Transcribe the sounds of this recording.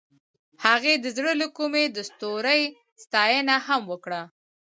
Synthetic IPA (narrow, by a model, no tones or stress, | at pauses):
haɣed̪əzɽələkumed̪əst̪oɾəj | st̪ɑjənahamwəkɽa